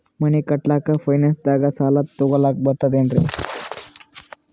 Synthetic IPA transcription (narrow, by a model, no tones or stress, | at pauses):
məɳ̃ekəʈlakafajnensd̪aɡasalat̪ːoɡəlak̚bət̪ad̪eɳɖɾḛ